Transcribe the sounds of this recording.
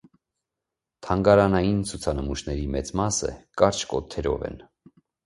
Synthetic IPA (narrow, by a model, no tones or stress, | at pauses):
t̪ʰɑŋɡɑɾɑnɑjint͡sʰut͡sʰɑnəmuʃnɛɾimɛt͡smɑsə̰kɑɾt͡ʃʰkɔt̪ʰɛɾɔ̰vɛ̰n